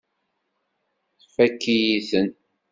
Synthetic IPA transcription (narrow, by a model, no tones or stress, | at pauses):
θfækːijiθən